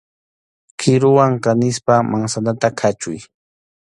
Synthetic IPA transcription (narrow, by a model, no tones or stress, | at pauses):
kʰɪɾʊwaŋkanɪspamaŋsanat̪akʰat͡ʃʊj